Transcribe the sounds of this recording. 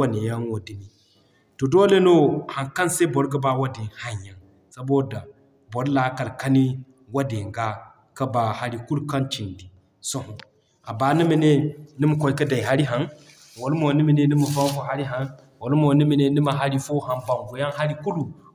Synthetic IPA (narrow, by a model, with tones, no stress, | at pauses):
a˨ne˨ja˦nwo˨di˨ni˨ | to˨do˦le˦no˦ha˨nka˦nse˦bo˨˦ɾɡɐ˦ba˦wa˦de˨ha˦ɲja˨n | sa˨bo˦da˨ | bo˨ɾla˦ka˨lka˦ni˦ | wa˦de˨ŋɡa˦ | kɐ˦ba˨ha˦ɾi˨ku˦lu˦ka˦nt͡ʃi˨ndi˨ | so˦ho˨ | a˨ba˨˦ni˦mi˨ne˦ni˦mu˨ko˦jkɐ˦da˨i˨ɦa˦ɾi˦ɦa˨n | wo˨lmo˨ni˦mi˨ne˦ni˦mɐ˨fa˦m˦fo˨ɦa˦ɾi˦ɦa˨n | wo˨lmo˨ni˦mi˨ne˦ni˦ma˨ɦa˦ɾi˦fo˦ɦa˨nba˨mvo˨ja˦nɦa˦ɾi˦ku˦lu˨